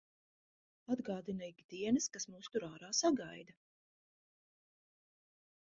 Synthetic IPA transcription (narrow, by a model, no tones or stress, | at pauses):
ad̪ɡaːd̪inɛjkʲid̪iɛnɨskasmuːst̪uɾaːɾaːsaɡajd̪a